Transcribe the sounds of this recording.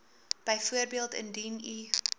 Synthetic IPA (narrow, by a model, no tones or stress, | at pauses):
b̥əjfuərbiəlˠtə̰ndini